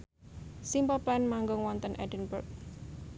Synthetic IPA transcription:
simpɔplɛnmaŋɡʊŋwɔnt̪ənʔɛ̰dənbə̰rk̚

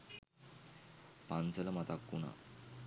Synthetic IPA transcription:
pant͡səlamat̪akːuna̰

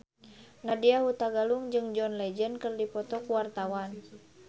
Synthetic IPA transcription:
nadiaɦut̪aɡaluŋd͡ʒɨŋd͡ʒɔnlɛd͡ʒənkɨrdipɔt̪ɔkuwart̪awan

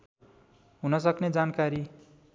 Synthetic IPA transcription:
ɦunʌsʌkned͡zankaɾi

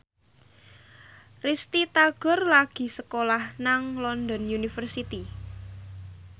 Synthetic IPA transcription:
rist̪it̪aɡ̥ɔ̤rlaɡ̥i̤səkolahnaŋlɔnd̪ɔnjunifərsit̪i

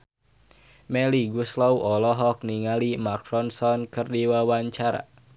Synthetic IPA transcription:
mɛliɡuslɔwʔɔlɔɦɔk̚niŋalimakɾɔnsɔnkɨrdiwawaɲt͡ʃaɾa̰

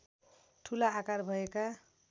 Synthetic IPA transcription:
ʈʰulaːkarbʱʌeka

